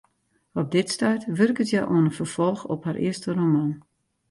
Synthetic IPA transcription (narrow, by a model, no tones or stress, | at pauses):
ɔp̚dɪtstœjtʋørkətjaʔuənəfərfɔlˠxɔ̰pharʔɪ̰əstəromɔn